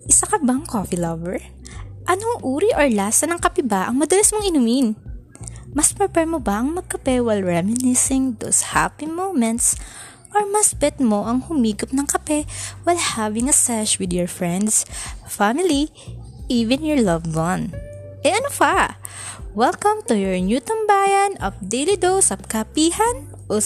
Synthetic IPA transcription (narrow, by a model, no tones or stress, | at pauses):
ʔɪsakɐbaŋkofilɐvɛɹ | ʔɐnoŋʔuːɾiʔoɹlaːsɐnɐŋkɐpɛbaʔɐŋmɐd̪ɐlɐsmoŋɪnumɪn | mɐspɛpɛɹmobɐʔɐŋmɐɡ̚kɐpɛwajlɹɛmɪnɪsɪŋd̪o̰sha̰pimomɛ̃nt̪s | ʔɔɹmɐsbɛt̪̚mo̞ʔɐŋhʊmiːɡop̚nɐŋkɐpɛwajlhavɪŋɐsɛʃwɪd̪jɔɹfɹɛ̃nd̪sɐfamɪli | ʔiːvɪ̃njɔɹlɐvdɔnʔɛʔɐnopa | wɛlkɐ̃mt̪ʊjɔɹnjut̪ɐmbaːjɐnʔɐp̚d̪ejlid̪owsɐp̚kɐpiːhɐn | ʔo